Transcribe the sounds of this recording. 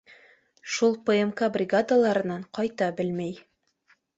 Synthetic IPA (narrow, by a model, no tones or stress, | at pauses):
ʃulˠpŏemkabrʲɪɡad̪alˠɑɾɤ̆nɑɴqɑjt̪ɑbɘlmæj